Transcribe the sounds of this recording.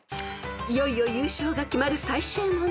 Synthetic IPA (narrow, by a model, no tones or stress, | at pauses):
ijo̞io̞jɯːɕo̞ːɡakʲimaɾɯ̟saiɕɨ̃mo